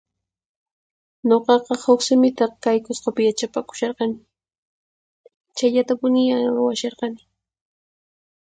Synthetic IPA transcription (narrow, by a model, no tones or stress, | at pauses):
ɲoqɑqɑhʊksɪmɪt̪ɑkajkosqopɪjat͡ʃapakʊ̥ʃɑɾqɑnɪ | t͡ʃajʎat̪apʊnɪjaɾʊwaʃɑɾqɑnɪ